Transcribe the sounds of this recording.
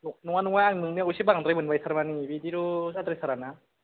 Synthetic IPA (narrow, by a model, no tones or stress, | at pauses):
nunuŋanuŋaaŋnɯŋniausibaŋdɾajmɯnbajsʰaɾmanibidiɾusad̪ɾɯsʰaɾana